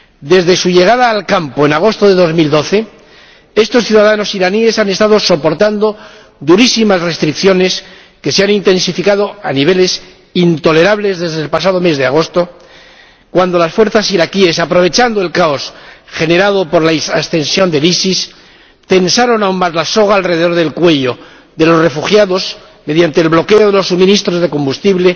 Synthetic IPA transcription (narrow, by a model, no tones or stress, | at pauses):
d̪e̞zðe̞suʝe̞ɣ̞aðaːlkampoe̞naɣ̞o̞st̪oðe̞ðo̞zmild̪o̞θe̞ | e̞st̪o̞sθjuðaðano̞siɾanie̞sane̞st̪aðo̞so̞po̞ɾt̪and̪o̞ | d̪uɾisimasre̞st̪ɾikθjo̞ne̞s | ke̞seanint̪e̞nsifikað̞o̞aniβ̞e̞le̞s | int̪o̞le̞ɾaβle̞zðe̞zðe̞lpasað̞o̞me̞zðe̞aɣ̞o̞st̪o̞ | kwand̪o̞lasfwe̞ɾθasiɾakie̞sapɾo̞β̞e̞t͡ʃand̪o̞e̞lkao̞sxe̞ne̞ɾað̞o̞po̞ɾlaesast̪e̞nsjo̞nd̪e̞lisis | t̪e̞nsaɾo̞naunmazlaso̞ɣ̞aːlre̞ðe̞ðoðe̞lkwe̞ʝo̞ | ðe̞lo̞sre̞fuxjaðo̞s | me̞ðjant̪e̞ːlβlo̞ke̞oð̞elo̞sːumĩnist̪ɾo̞zðe̞ko̞mbust̪iβle̞